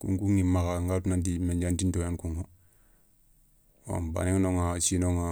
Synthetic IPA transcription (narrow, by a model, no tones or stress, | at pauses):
kṵŋkuŋimakaŋɡatnand̬imeɲd͡ʒantindojankuŋho | a̰mba̰niŋnoŋat͡ʃinoŋa